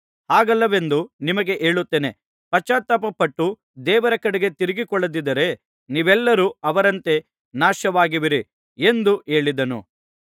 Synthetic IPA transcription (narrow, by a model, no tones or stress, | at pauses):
haːɡɐlːɐʋe̞nd̪unimɐɡe̞ʔe̞ːɭut̪ːeːne̞ | pɐt͡ʃːaːt̪ːɐpɐpɐʈːu | d̪ɛːʋɐɾɐkɐɽeɡe̞t̪iɾiɡikɔɭːɐd̪id̪ɐɾe̞ | niːʋɛlːɐɾuɐʋɐɾɐnt̪e̞ | naːʃɐʋaːɡiʋiɾi | end̪uʔe̞ːɭid̪ɐnṵ